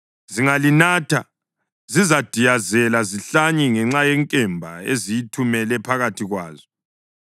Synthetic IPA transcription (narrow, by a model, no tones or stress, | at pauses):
ziŋalinaːtʰa̰ | zizad̥ʱijazɛlaziɬaɲɛŋɛŋ͡ǁajɛŋkʼɛmbʱaezijitʰumɛlɛpʰaɣatʰiɣwa̰ːzɔ